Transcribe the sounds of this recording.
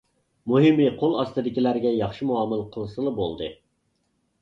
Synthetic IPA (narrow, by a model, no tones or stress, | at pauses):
muɦɪmiqʰolˠɑst̪ɨd̪ɪkʲilæɾɡʲɛjɑχʃimuɑmɨlˠqʰəlˠsɨlˠɨbolˠd̪ɨ̰